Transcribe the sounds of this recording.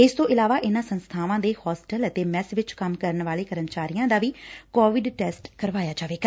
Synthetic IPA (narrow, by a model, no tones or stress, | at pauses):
ɪst̪õːʔɪlaːʋaːʔɪnãːsənst̪ʰaːʋãːd̪eːhɔːsʈələt̪eːmɛːsʋɪt͡ʃkəmkəɾnʋaːleːkəɾəmt͡ʃaːɾijãːd̪aːʋiːkɔːʋɪɖʈɛːsʈkəɾʋaːjaːd͡ʒaːʋeːɡaː